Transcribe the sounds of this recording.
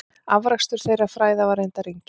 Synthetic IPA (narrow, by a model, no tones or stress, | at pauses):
avɾakst̪ʏɾ̥θejrafɾaːjðavaɾejnt̪aɾijɲcɪ